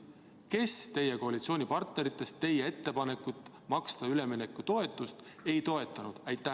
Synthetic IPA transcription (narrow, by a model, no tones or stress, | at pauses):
ke̞st̪e̞je̞ko̞ɑlʲit̪sio̞ːnʲipɑrt̪ne̞ɾit̪ːˑe̞st̪t̪ːe̞jee̞t̪ːe̞pɑne̞kːˑut̪ːˑ | mɑkst̪ɑyle̞minekˑːut̪o̞e̞t̪ːˑust̪e̞jt̪o̞e̞t̪ːˑɑnud̪̥æjt̪ːˑæ